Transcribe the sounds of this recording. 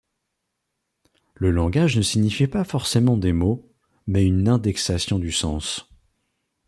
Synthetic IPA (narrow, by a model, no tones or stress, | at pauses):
ləlɑ̃ɡaʒnəsiɲifipafɔʁsemɑ̃d̪emo | mɛynɛ̃d̪ɛksasjɔ̃d̪ysɑ̃s